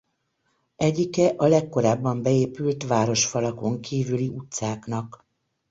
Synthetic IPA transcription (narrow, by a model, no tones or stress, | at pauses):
ɛɟːikɛʔɒlɛkːo̞ɾaːbːɒmbɛeːpylt̪ʋaːɾo̞ʃfɒlɒko̞ŋkiːvyliʔut̪saːknɒk